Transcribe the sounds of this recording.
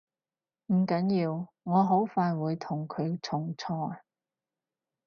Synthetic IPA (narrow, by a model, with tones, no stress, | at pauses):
m̩˨˩kɐ˨˥njiː˧w | ŋɔː˨˧ɦo˨˥wfaː˧jwuː˨˧jt̪ʰʊ˨˩ŋkʰɵ˨˧ɥt͡sʰʊ˨˩ŋt͡sʰɔː˧˩